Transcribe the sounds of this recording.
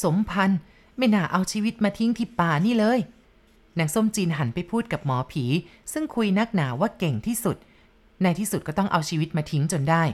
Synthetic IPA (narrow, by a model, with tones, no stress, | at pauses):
so˩˦mpʰa˧n | ma˥˩jnaː˩˦ʔa˧wt͡ɕʰiː˧wi˦˥t̪̚maː˧t̪ʰi˦˥ŋt̪ʰiː˧˩paː˧niː˥˩lɤː˧j | na˨˦˥ŋso˥˩mt͡ɕiː˧nɦa˩˦npa˧jpʰuː˥˩t̪̚ka˨˩p̚mɔː˩˦pʰiː˩˦sɯ˥˩ŋkʰu˧jna˦˥k̚naː˩˦waː˥˩ke˨˩ŋt̪ʰiː˥˩su˨˩t̪̚ | na˧jt̪ʰiː˥˩su˨˩t̪̚kɔː˥˩t̪ɔ˥˩ŋʔa˧wt͡ɕʰiː˧wi˦˥t̪̚maː˧t̪ʰi˦˥ŋt͡ɕo˧ndaː˥˩j